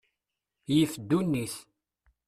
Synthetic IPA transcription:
jifd̪ːunːiθ

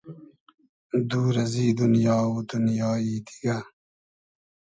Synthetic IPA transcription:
d̪uːɾɐziːd̪unjɑːud̪unjɑːid̪i̥ɡa

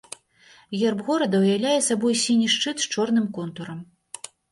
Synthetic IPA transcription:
ɣʲɛrbɣɔɾɐd̪ɐwjawlʲajɛsabɔjsʲinʲiʂt͡ʂɨt̪t͡ʂɔrn̪ɨmkɔnt̪uɾɐm

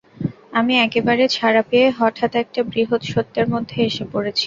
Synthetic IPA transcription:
amiɛkebaɾet͡ɕʰaɾapeeɦɔʈʰat̪ɛk̚ʈabɾiɦot̪ʃot̪ːeɾmod̪ʱːeeʃepoɽet͡ɕʰi̥

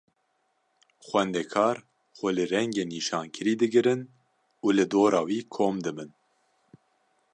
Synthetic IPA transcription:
xʷɛnd̪ɛkʰɑːɾ | xʷɛlɨɾɛŋɡeːniːʃɑːnkʰɨɾiːd̪ɨɡɨɾɨn | uːlɨd̪oːɾɑːwiːkʰoːmd̪ɨbɨn

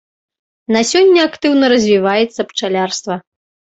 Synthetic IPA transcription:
nasʲɔnʲːɐakt̪ɨwnɐɾɐzʲvʲivajɛt̪sːɐpt͡ʂalʲarst̪vɐ

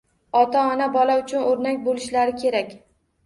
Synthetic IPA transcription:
ɒt̪aɒnabɒlaʊt͡ʃʰʊnoɾnakʲbolɪʃlaɾɪkʲʰe̞ɾakʲ

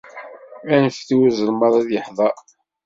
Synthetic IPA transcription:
ænəfθiwuzˤəlmɑðˤæðjəħðˤɑ

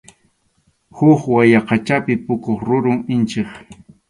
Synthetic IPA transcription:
hʊχwajɑqɑt͡ʃapɪpʊkoχɾʊɾʊŋɪnt͡ʃɪχ

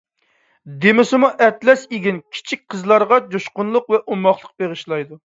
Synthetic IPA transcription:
d̪emɪsɪmuʔɛt̪lɛseɡʲinkʲʰi̥t͡ʃʰik̚ʲqʰəzlˠɑɾʁɑd͡ʒoʃqʊnlˠʊqvɛʔumɑχlˠəq̚b̥eʁɨʃlˠɑjd̪u

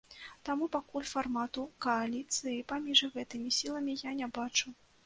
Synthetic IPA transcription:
t̪amupakulʲfarmat̪ukɐalʲit̪sɨjipamʲiʐɣɛt̪ɨmʲisʲilˠɐmʲijanʲabat͡ʂu

